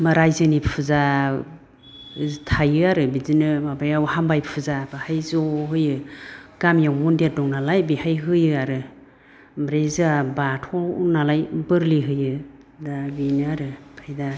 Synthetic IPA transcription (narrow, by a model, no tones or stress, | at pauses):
maɾajzɯnipʰɯza | tʰajɯaɾɯbizinɯmabajawhambajpʰɯzabahajzɔɦɯjɯɡ̥amjawmundedɔŋnalajbihajɦɯjɯaɾɯ | mɾezɯabatʰɔnalajbɯɾliɦɯjɯ | dabinɯaɾɯpʰajda